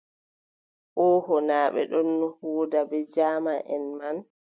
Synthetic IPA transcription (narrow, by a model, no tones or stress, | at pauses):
ʔɔhɔnaːɓɛ̰ɗɔnːɔhuːdabɛd͡ʒaːmaʔɛ̰nman